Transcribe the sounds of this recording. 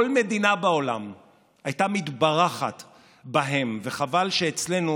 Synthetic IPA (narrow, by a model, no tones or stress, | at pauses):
olme̞d̪inabao̞lam | ajtamit̪baʁaχa̰t | baɦe̞mveχavalʃeːt͡sle̞nu